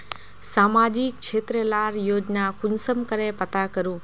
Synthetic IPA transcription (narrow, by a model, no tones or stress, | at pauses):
saːmaːd͡ʒik̚t͡ʃʰeːt̪ɾəlaːɾjoːd͡ʒnakʊnsəmkəɾepɐt̪akəɾũː